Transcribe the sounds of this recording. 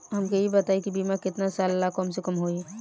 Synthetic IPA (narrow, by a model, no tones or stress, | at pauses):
ɦɐmkejibɐt̪aːikibiːmakɪt̪nasaːllakɔms̬ekɐmɦoiɛ